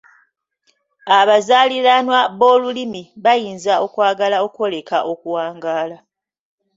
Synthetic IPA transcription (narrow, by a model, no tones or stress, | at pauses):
aβazaːliɾanwaβo̞ːlulimiβajiːnzao̞kwaːɡalao̞kwo̞le̞ka̰ʔo̞kuwaːŋɡaːla